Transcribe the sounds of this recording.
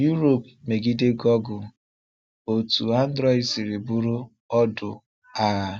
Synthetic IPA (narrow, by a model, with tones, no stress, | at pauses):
ju˦ɾo˨p̚ | me˨ɡi˦de˦ɡɔ˦ɡʊ˨ | o˨tu˨a˦n̩˦dɾɔ˦ɪ˦si˨ɾi˨bu˦ɾu˦ | ɔ˦dʊ˨ | a˦˨